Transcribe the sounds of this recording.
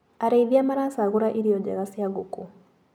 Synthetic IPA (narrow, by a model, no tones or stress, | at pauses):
aɾaiðiamaɾasaɣuɾaʔiɾijɔd͡ʒɛ̰ɣasijaɡuku